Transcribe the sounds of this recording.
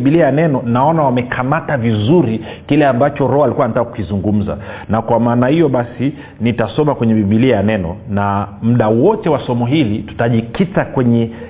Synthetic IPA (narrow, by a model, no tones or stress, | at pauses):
ɓiliajanɛnɔnaɔnawamɛkʰamatavizuɾi | kilɛambat͡ʃɔɾɔalikuwanatakaku̥kizuŋɡum̩za̰nakwamaːnahijɔɓasi | nitasɔmakwɛɲɛɓiɓiliajanɛnɔ̰nam̩ɗawɔtɛwasɔmɔɦilitu̥taʄikitakwɛɲɛ